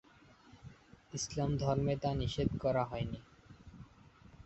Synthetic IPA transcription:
islamd̪ʱɔɾmet̪aniʃed̪kɔɾaɦɔjni

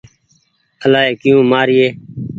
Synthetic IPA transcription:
əlaːeːkɪjũːmaːɾɪeː

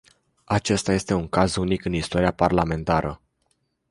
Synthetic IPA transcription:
at͡ʃe̞st̪aje̞st̪e̞uŋkazunikɨnist̪ooɾiaparlame̞nt̪aɾʔə

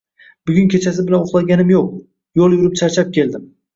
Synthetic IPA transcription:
bʊɡʲʊnkʲʰe̞t͡ʃʰas̬ɪbɪlanoχlˠaɡʲanɪmjoq̚ | jolˠjʊɾɪp̚t͡ʃʰaɾt͡ʃʰap̚kʲe̞ld̪ɪm

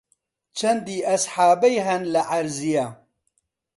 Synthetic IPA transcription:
t͡ʃʰɐnd̪iːʔɐsħaːbɐjɦɐnlɐʔɐɾzija

